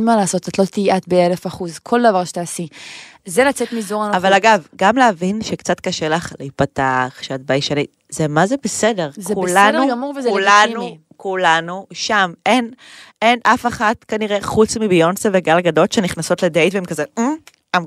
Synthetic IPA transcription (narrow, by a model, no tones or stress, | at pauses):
malaːso̞t̪atlo̞t̪iiʔat̪̚beelefaχuzkʰo̞ld̪ɐvaʁʃe̥t̪aːsizelat͡set̪mizoʁanoavalaɡavɡamleavinʃekt͡satkaʃelaχleit̚pataaχʃeat̚bajʃani | zemazebesede̞ʁzkuladnumuʁvezulanu | kulanuʃame̞nenʔafeχatkaniʁe̞χut͡smibio̞nseveɡalɡado̞tʃeniχnaso̞tledejtveemkaze | am